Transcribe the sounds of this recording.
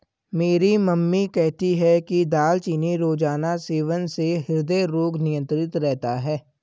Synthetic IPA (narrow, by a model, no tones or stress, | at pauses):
meːɾiməmːikɛɦt̪iɦɛkid̪aːlt͡ʃiːniɾoːd͡ʒaːnaseːʋənseɦɪɾd̪eɾoːɡnɪjə̃nt̪ɾɪt̪ɾɛɦt̪aɦɛː